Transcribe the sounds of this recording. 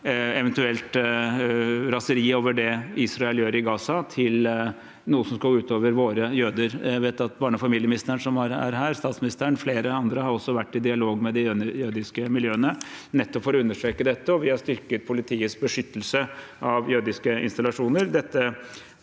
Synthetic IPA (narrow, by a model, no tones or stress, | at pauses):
ɛʋɛnt̪ʉɛlt̪ | ɾɑsəɾiːoːʋəɖɛiːsɾɑɛljøːɾɪɡɑːsɑt̪ʰɪl | nuːəsɔmskɑɡʉːt̪ʰoːʋəɾʋoːɾəjøːd̪əɾæʋeːt̪ɑt̪̚bɑːɳəfɑmiːljəmnɪst̪əəɳʂɔmɑɾæ̰ɾɦæːɾst̪ɑːt̪smɪnɪst̪əɾəɳfleːɾəɑnd̪ɾəhɑɾɔsːɔʋæʈːɪd̪ɪɑloːɡmɛd̪ɪjød̪ɪskəmɪljøːənənɛt̪ːɔpfɔɾɔʉnːəʂʈɾeːkəd̪ɛt̪ːəɔʋɪhɑʂt̪ʏɾkət̪̚pʰʊlɪt̪ʰiːət̪sbəʂʏt̪ːəlsə | ɑʋjøːd̪ɪskəɪ̰nst̪ɑlɑʂuːnəɾd̪ɛt̪ːə